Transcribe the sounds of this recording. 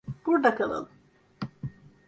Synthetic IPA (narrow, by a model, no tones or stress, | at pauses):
b̥uɾd̪akʰalˠa̰lˠɯ